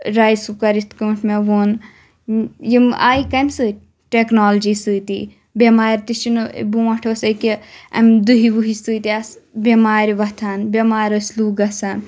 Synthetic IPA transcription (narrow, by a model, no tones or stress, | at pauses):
ɾaːjsukɐɾit̪ʰkɐːʈʰmeʋoːn | jima̰ːikɐmsɨ | ʈeknoːld͡ʒisɨːt̪ḭː | bemaːɾt̪it͡ʃin̰buʋɐʈʰoːsɐkiɐ̰md̪uɦibuɦisɨːt̪iasbʲemaːɾiʋɐt̪ʰaːnbʲemaːɾɐsʲluːɡɐsan